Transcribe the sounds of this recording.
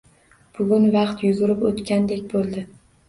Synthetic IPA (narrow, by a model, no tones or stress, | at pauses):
b̥ʊɡʊnvɑqt̪jʊɡʊɾɪpot̪kʲand̪ekʲbolˠd̪ɪ